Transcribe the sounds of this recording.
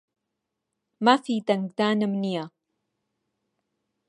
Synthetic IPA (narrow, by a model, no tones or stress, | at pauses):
mafit̪aŋkd̪aːnəmnia